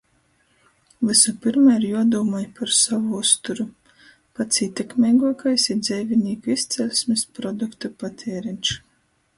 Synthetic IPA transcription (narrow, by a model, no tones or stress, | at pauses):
vɨsupiɾmaɾjuɔd̪uːmajpʰaɾsavuust̪uɾu | pat̪siːt̪ʲɛkmʲɛːɡuɔkajsid̪zʲɛjvʲiniːkuist̪sʲɛlʲsʲmispɾɔd̪ukt̪upat̪ʲʰɛːɾint͡ʃ